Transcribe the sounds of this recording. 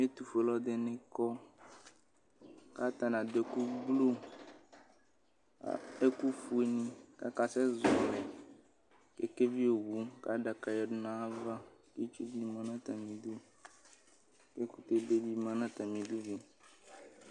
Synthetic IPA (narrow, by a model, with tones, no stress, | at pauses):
m˦e˦t̪u˨fe˨lɔ˦d̪e˨nẽ˦kɔ˦ | ka˦t̪a˨nã˨d̪e˨ku˦ɡ͡blo˦ | a̰˦e˦ku˦fu˦e˨nĩ˦ka̰˦ka˦sɛ˦zɔ˨le˨ | ke˦ke˦vi˦o˨wu˦ka˦ɖa˨ka˨jɛ˨ɖo˦nã˦a˦va˦ke˦t͡ʃu˦bi˦mã˦nã˦t̪a˨mĩ˨d̪u˦ | ke˦ku˦t̪e˦be˦bi˦mã˦nã˦t̪a˨mĩ˨d̪u˦vi˦